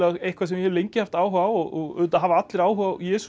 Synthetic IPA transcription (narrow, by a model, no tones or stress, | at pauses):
aɣejhkvaɾs̬ɛmjɛhɛvlejɲcɪhaft̪aːwɦaːwɔɣɔʏðt̪aɦavaat̪lɪɾaːwɦawjɛːs